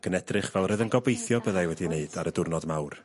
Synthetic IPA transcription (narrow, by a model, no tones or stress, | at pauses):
ɡ̥ənɛdrɨχvɛlˠrəðənɡɔbejθjɔbəðajwɛdineɨdaɾədʊrnɔdmawr